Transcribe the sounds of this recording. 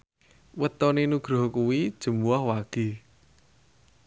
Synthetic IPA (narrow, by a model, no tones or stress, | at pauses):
wət̪ɔnenuɡ̥ɾɔ̤hkuwid̥ʒ̥ə̤muahwaɡ̥i̤